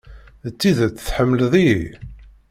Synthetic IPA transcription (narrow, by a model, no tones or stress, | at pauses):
t͡sːiðt͡sːəθħəmːləðˤiḭ